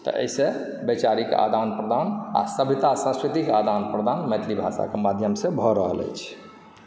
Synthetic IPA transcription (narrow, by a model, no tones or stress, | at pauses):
t̪ɔ̰ʔḛise | bet͡ʃaɾikḛʔa̰d̪ʱanpɾəd̪ʱana̰səbʱit̪asə̃skɾit̪ikead̪ʱanpɾəd̪ʱanmet̪ʰlibʱasa̰kemad̪ʱjəmsẽbʱɔɾəɦələ̰jt͡ʃʰ